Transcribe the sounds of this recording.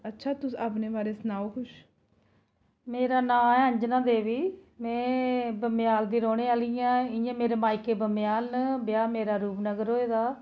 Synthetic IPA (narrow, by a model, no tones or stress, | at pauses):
ətːʃʰaːt̪ʊsaːp̬neːbaːɾeːsənaːokʰʊʃ | meːɾaːnãːɛːɦəɲd͡ʒnãːd̪eːʋiːmɛ̃ːbəmɪjaːld̪iːɾoːnẽːaːlɪjãːɪjãːmeːɾeːmaːikːeːbəmɪjaːlnəbjaːmeːɾaːɾuːpnəɡəɾɦoːeːd̪aː